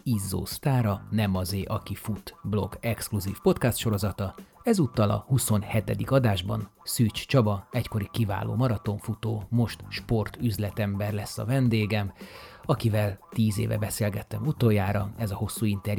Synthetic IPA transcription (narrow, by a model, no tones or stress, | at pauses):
izːo̰ːst̪aːɾɒnɛmɒzeːʔɒkifut̪blo̞̰ɡɛkskluziːfpo̞t̪kast̪ʃo̞ɾo̞zɒt̪ɒɛzut̪ːɒlɒ̰huso̞nhɛt̪ɛd̪ikɒd̪aːʒbɒ̰nsyːt͡ʃt͡ʃɒbɒɛcko̞ɾikiva̰ːlo̰ːmɒɾɒt̪o̞ɱfut̪oːmo̞ʃt̪ʃpo̞rt̪yzlɛt̪ɛmbɛrlɛsːɒ̰vɛnd̪eːɡɛmɒkivɛlt̪iːzḛːvɛ̰bɛseːlɡɛt̪ːɛmut̪ojaːɾɒɛzɒho̞sːuint̪ɛrj